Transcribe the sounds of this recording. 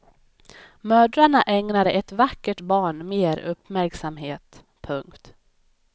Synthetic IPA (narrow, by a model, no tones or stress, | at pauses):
mœːɖɾaɳaʔɛŋnad̪əʔɛt̪vakːəʈbɑːɳmeːɾɵpːmæɾksamɦeːt̪ | pʰɵŋkt̪